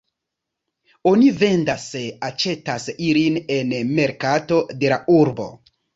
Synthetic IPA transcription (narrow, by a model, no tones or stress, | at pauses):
o̞nive̞ndaseat͡ʃe̞tasiline̞nme̞ɾkato̞de̞laʔuɾbo̞̰